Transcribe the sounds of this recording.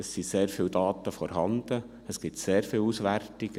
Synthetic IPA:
əsːiseːɾfɪwd̪ɑːt̪əfɔɾɦɑnd̪̥ə | əsɡ̥ɪpt̪seːɾfɪːlusʋærtɪɡ̥

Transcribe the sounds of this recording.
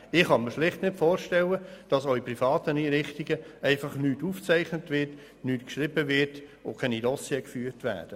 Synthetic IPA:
ɪχɑnməɾʃlɪχtnɪtfoːɾʃtɛləd̥ɑsoiprifɑːtəniːɾɪχtiɡəɛɪfɑχnyːtuːft͡sæɪχnətʋɪrt | nyːtkʃɾɪbəʋɪtokʰɛnidɔsjɛkfyːɾtʋæ̰ːd̥ə

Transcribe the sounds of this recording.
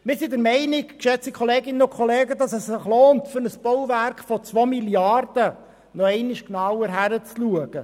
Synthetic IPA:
mɪɾsidəɾmɛɪnɪkkʃɛt͡sikʰɔleːɡɪnənʊkʰχɔleːɡədɑsɛsːɪχloːntfʏɾnəsb̥ɔwvæɾkfɔt͡sʋomiljɑrd̥ə | nɔɛɪnɪʃknɑwəɾɦæɾət͡sluəɡ̥ə

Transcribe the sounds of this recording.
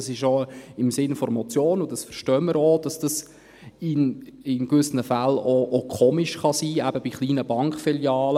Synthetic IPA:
sɪʃoɪmsɪnfɔɾmɔt͡sjoːnʊdɑsfəɾʃtœːməɾod̥ɑsd̥ɑs | ɪnɪnkʋʏsənəfæloʔokʰoːmiʃχɑsiːæbəb̥iχliːnəb̥ɑŋkfiljɑːlə

